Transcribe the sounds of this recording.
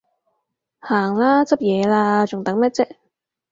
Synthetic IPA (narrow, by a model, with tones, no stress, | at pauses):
haː˨˩ŋlaː˥t͡sɐ˥p̚jɛː˨˧laː˧t͡ʃʊ˨ŋt̪ɐ˨˥ŋmɛ˥t̚t͡sɛː˥